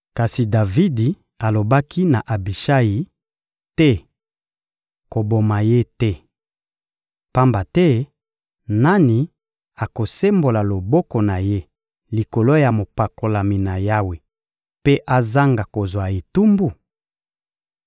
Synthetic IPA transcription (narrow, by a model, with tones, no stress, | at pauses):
ka˨si˨da˨vi˦di˨ | a˨lo˨ba˦kʰi˦na˨ʔa˨bi˨ʃa˦ji˨ | tɛ˦ | ko˨bo˨ma˨je˦tɛ˦ | pa˦mba˨tɛ˦ | na˦ni˨ | a˨ko˨se˦mbo˨la˨lo˨bɔ˦ko˨na˨je˦ | li˨ko˨lo˦ja˨mo˨pa˨ko˨la˨mi˨na˨ja˦we˨ | pe˦ʔa˦za˦ŋɡa˨ko˨zwa˨e˨tu˦mbu˦˨